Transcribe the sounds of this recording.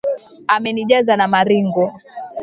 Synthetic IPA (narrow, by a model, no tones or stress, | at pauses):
amɛniʄazanamaɾiŋɡɔ